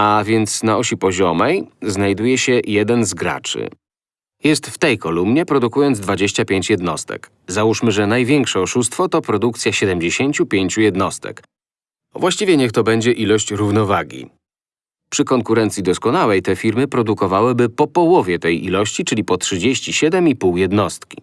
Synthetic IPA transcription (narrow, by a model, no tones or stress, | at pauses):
avʲjɛnt̪snaɔɕipɔʑɔmɛjznajd̪ujɛɕɛjɛd̪ɛnzɡɾa̰t͡ʂɘ̰ | jɛst̪ft̪ɛjkɔlumɲɛpɾɔd̪ukujɔnd̪zd̪vad͡ʑeɕt͡ɕapʲjeɲt͡ɕjɛd̪nɔ̰st̪ɛ̰k | zauʂmɘʐɛnajvʲjɛŋkʂɛɔʂust̪fɔt̪ɔpɾɔd̪ukt̪sʲjaɕɛd̪ɛmd͡ʑeɕeɲt͡ɕupʲjeɲt͡ɕujɛd̪nɔst̪ɛ̰k | vwaɕt͡ɕivʲjɛɲɛxt̪ɔbɛɲd͡ʑɛʔilɔɕt͡ɕɾuvnɔvaɡʲḭ | pʂɘkɔŋkuɾɛnt̪sʲid̪ɔskɔnawɛjt̪ɛfʲiɾmɘpɾɔd̪ukɔvawɘbɘpɔpɔwɔvʲjɛt̪ɛjʔḭlɔɕt͡ɕit͡ʂɘlʲipɔtʂɘd͡ʑeɕt͡ɕiɕɛd̪ɛmipuwjɛd̪nɔst̪kʲi̥